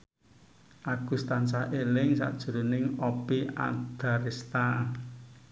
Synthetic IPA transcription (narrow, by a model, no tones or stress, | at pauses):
ʔaɡ̥ṳst̪ansahʔelɪŋsa̰ʔd̥ʒ̥ṳɾo̤nɪŋɔpia̰d̪̥a̤ɾest̪a